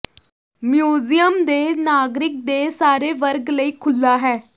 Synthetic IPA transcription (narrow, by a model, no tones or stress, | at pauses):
mjuzijəmd̪enaɡɾik̚d̪esaɾeʋəɾɡləiːkʰulːaɦɛː